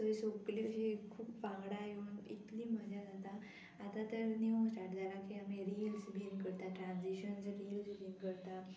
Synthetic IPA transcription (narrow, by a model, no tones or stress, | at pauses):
səisokleɦekʰuːpʋãŋɡɽaɦenḭt̪liːm̤əd͡ʑad͡zat̪a | at̪at̪əɾnẽsʈaʈd͡zalakiɦãmeɾiɦilsbʱiŋkəɾt̪aʈɾãnsiɕənd͡zəɾilsbiŋkəɾt̪a